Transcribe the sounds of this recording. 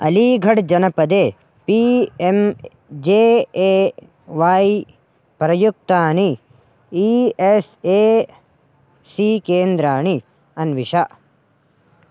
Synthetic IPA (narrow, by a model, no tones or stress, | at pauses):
ɐ̰liːɡʱɐɽd͡ʒɐnɐpɐd̪eː | piem | d͡ʒeːe | ʋaːi | pɾɐjuk̚t̪aːɳi | ieseː | sikeːnd̪ɾaːɳ̃i | ɐnʋiʃaʔ